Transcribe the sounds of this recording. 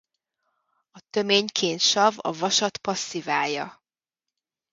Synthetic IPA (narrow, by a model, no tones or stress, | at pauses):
ɒt̪ø̞meːɲkʰeːnt̪ʃɒvɒ̰vɒʃɒt̪pɒsːivaːjɒ̰